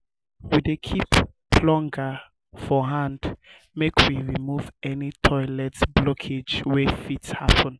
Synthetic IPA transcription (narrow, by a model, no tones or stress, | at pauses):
widekʰip | lɔ̃ŋɡə | fɔɦãnd | mekwiɹimuvɛnitʰɔɪlɛtsblɔkʰed͡ʒwɛfithapʰə̃n